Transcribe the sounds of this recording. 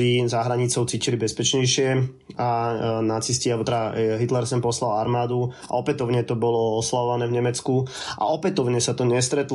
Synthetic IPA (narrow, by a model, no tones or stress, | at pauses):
izaɦɾaɲit͡sɔʊt͡siːcilibɛspɛt͡ʃɲɛjʃɪɛ | anat͡siscialbɔt̪ɛd̪aɦit̪lɛɾsɛnpɔslalaɾmaːd̪u | a̰ɔpɛt̪ɔʊɲɛt̪ɔbɔlɔɔslaʋɔʋanɛːvɲɛmɛt͡skuʔa̰ɔpɛt̪ɔʊɲɛsat̪ɔɲɛst̪ɾɛt̪l